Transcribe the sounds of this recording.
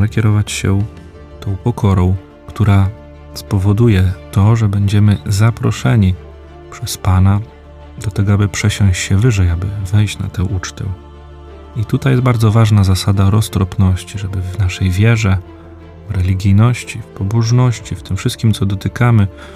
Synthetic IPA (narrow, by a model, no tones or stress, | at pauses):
ɛkʲjɛɾɔvat͡ɕɕɛ̰ | t̪ɔ̃w̃pɔkʰɔɾɔ̃w̃ | kt̪uɾa | spɔvɔd̪ujɛt̪ɔʐɛbɛɲd͡ʑɛmɘzapɾɔʂɛɲi | pʂɛspana | d̪ɔt̪ɛɡɔabɘpʂɛɕɔ̃ɲ̃ɕt͡ɕɕɛvɘʐɛjabɘvɛjɕt͡ɕna̰t̪ɛ̃w̃ʔut͡ʂt̪ɛ̰ | it̪ut̪ajɛst̪baɾd̪zɔvaʐnazasad̪aɾɔst̪ɾɔpnɔɕt͡ɕiʐɛbɘvnaʂɛjvʲjɛʐɛ | vɾɛlʲiɡʲijnɔɕt͡ɕifpɔbɔʐnɔɕt͡ɕift̪ɘmfʂɘst̪̚kʲimt̪sɔd̪ɔt̪ɘkamɘ